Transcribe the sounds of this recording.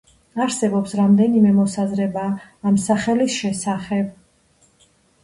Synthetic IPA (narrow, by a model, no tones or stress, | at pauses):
aɾsɛbɔpsɾamd̪ɛnimɛmɔsazɾɛbaːmsaχɛlisʃɛsaχɛb